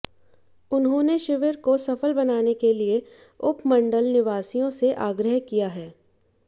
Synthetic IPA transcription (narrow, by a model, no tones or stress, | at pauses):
ʊnɦõneʃɪʋəɾkosɐfəlbɐnaːnekelie | ʊpmɐ̃ɳɖəlnɪʋaːsijõseʔaːɡɾəɦkijaɦɛː